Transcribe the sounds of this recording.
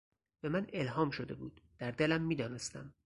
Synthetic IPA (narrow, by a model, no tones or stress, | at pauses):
b̥e̞mæne̞lɦɒːmʃod̪e̞bṵːd̪̥d̪̥æɾd̪e̞læmːiːd̪ɒːne̞st̪æm